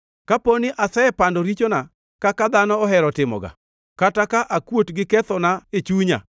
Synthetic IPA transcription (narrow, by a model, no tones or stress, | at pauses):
kaponɪʔasɛɛpandɔɾit͡ʃona | kakad̪anɔɔɦɛɾɔtɪmɔ̰ɡa̰ | katakaʔakwotɡɪkɛt̪ɔnaet͡ʃuɲa̰